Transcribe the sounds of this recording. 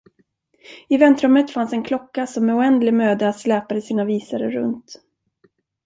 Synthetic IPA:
ɪvɛnt̪ɾɵmːət̪fansɛnkʰlɔkːasɔmːɛʊɛnd̪lɪɡmøːd̪əat̪slɛːpad̪əsiːnaviːsaɾəɾɵ̰nt̪

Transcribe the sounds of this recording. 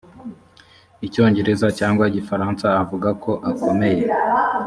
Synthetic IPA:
ico̞ːɲɟe̞ɾe̞zacaːŋɡwaɟifaɾaːnsaːvuɡakʰo̞ʔakʰo̞me̞je̞

